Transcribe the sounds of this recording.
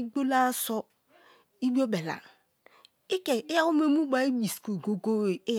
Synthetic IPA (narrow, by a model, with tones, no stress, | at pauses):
ɡ͡bo˦la˦sɔ˦ | i˦bi˦o˦be˨la̰˨n˨ | i˦ke˨ɪ˦ja˦u˦m˦e˦mu˦ɡ͡ba˨i˦bi˨sko˨ɡo˨ɡo˦e˨˦